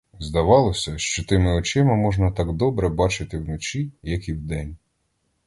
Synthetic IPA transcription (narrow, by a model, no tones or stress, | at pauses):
zd̪ɐʋɑlˠɔsʲɐʃt͡ʃɔt̪ɪmɪɔt͡ʃɪmɪmɔʒnɐt̪ɑɡd̪ɔbɾɛbɑt͡ʃɪt̪ɪwnɔt͡ʃʲijɐkiwd̪ɛnʲ